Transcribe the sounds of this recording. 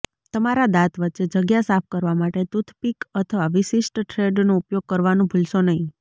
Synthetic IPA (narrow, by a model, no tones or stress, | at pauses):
t̪əmaɾad̪at̪ʋətːt͡ʃed͡ʒəɡjasapʰkəɾʋamaʈet̪ut̪ʰpikət̪ʰəʋaʋiʃiʃʈʈʰɾeɖnoupjoɡ̚kəɾʋanũbʱulʃonəɦĩ